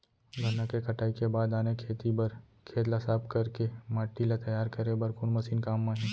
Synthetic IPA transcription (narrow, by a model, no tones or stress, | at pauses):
ɡʱɐnakekɐʈaːikebaːd̪aːnekʰeːt̪ibɐɾ | kʰeːt̪lasaːb̚kɐɾkemaːʈːilat̪ɐjaːɾkɐɾebɐɾkʊnmɐsiːnkaːmːãːɦĩː